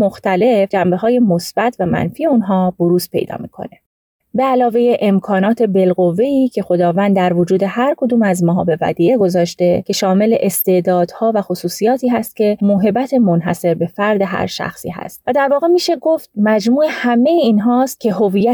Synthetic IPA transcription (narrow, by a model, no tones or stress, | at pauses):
moxt̪æle̞fd͡ʒæmbe̞ɦɒːje̞mo̞sb̥æt̪ʰvæmæ̰nfiːe̞unɦɒːb̥oɾuːspʰe̞̰jd̪ɒ̰ːmḭːkʰo̞̰ne̞ | beælɒːve̞jeʔemkʰɒːnɒːt̪ʰe̞be̞lɣo̞vːe̞iːcʰe̞xo̞d̪ɒːvæːnd̪d̪æɾvod͡ʒuːd̪e̞hæɾkʰo̞d̪uːmæzmɒːɦɒ̰ːbe̞væ̰d̪iːeɡo̞zɒːʃt̪e̞cʲʰe̞ʃɒːme̞le̞ʔest̪e̞d̪ɒːd̪̥hɒːvæxosuːsijɒːt̪ʰiːɦæst̪̚cʲʰe̞moɦe̞bæt̪ʰe̞mo̞nɦæ̰se̞ɾbe̞fæɾd̪e̞ɦæ̰ɾʃæ̰xsḭːɦæ̰st̪̚væd̪æɾvɒːɣe̞miːʃe̞ɡoft̪̚mæd͡ʒmuːehæmejeiːnɦɒːst̪̚cʲʰe̞ɦo̞viːjːæ